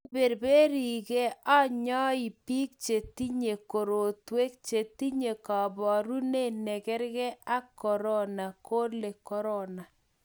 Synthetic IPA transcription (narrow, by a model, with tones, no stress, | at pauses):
be˨ɾbe˦ɾi˨ɣe˦a˦ɲɔ˦i˨pi˦k̚t͡ʃe˨ti˦ɲe˨ko˨ɾo˨twe˦k̚t͡ʃe˨ti˦ɲe˨kɔ˨bɔ˨ɾu˦ne˦˨nɛ˨kɛ˦ɾɣɛ˦a˦kɔ˨ɾɔ˦na˨ko˦le˨kɔ˦ɾɔ˦na˨